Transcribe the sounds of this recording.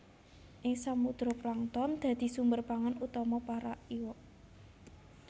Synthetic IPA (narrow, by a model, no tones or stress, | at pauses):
ʔɪŋsamud̪̥ɾoplaŋt̪ɔnd̪̥ä̤d̪̥i̤sumbərpaŋanut̪ɔmɔpaɾaʔiwɔʔ